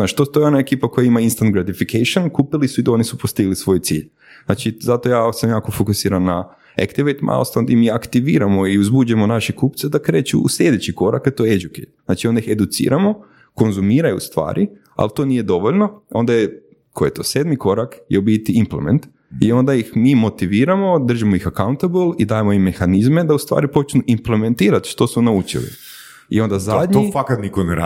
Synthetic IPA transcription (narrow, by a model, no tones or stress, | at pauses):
znaːt͡ʃt̪ot̪ojeonaekiːpakojaimainst̪ant̪ɡɾat̪ifikʰeʃonkupilisuid̪o̞nisupost̪iɡlisʋo̞jt̪sḭːʎ | zna̰t͡ʃizat̪ojaːsamjaːkofokusiːɾanːa | ḛkt̪iʋejt̪mʔa̰lst̪and̪imiakt̪iʋiːɾamo̞iuzbuːd͡ʒemonaʃekupt̪sed̪akɾe̞ːt͡ʃṵṵslʎed̪et͡ɕiko̞ɾa̰ket̪oeed͡ʒukḛz̥naːt͡ʃiond̪aixe̞d̪ut̪sḭːɾamo̞ | ko̞nzumiːɾajṵst̪ʋa̰ːɾʔi | a̰lt̪o̞ːnije̞d̪o̞ʋoʎnoo̞nd̪aje | kʰojet̪o̞ːsed̪miko̞ɾakjeobit̪iimplḛmḛnt̪ | io̞nd̪ajixmiːmo̞t̪iʋiːɾamo̞d̪r̩ʒimojixakawnt̪abəlˠid̪aːjemoimːe̞xanizme̞d̪aust̪ʋa̰ːɾipo̞t͡ʃnuʔimplement̪iːɾat̪ʃt̪o̞sunaut͡ʃḭlḭ | ḭo̞nd̪azad̪ɲoifakat̪nikoneɾa̰